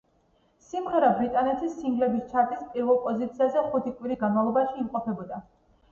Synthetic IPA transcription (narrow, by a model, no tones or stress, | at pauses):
simʁɛɾabɾit̪ʼanɛt̪ʰisːiŋɡlɛbist͡ʃʰaɾt̪ʰispʼiɾvɛlˠpʼɔzit̪sʰiazɛχut̪ʰikʼwiɾisɡanmavlˠɔbaʃiːmqʼɔpʰɛbɔd̪a